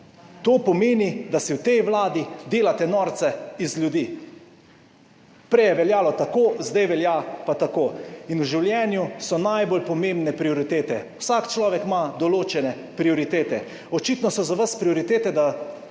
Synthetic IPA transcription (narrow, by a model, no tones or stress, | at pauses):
t̪oːpɔmeːnid̪asiwt̪ɛjʋlaːd̪id̪eːlat̪ɛnɔːɾt̪sɛizljud̪iː | pɾɛjɛʋɛljaːlɔt̪akoːzd̪ajʋɛljapat̪akoːinuʒiwljɛːnjusɔnajbolpɔmembnɛpɾioɾit̪eːt̪ɛwsakt͡ʃlɔːʋɛkmad̪ɔloːt͡ʃɛnɛ | pɾioɾit̪eːt̪ɛ | ɔt͡ʃit̪nɔsɔzaʋaspɾioɾit̪eːt̪ɛd̪a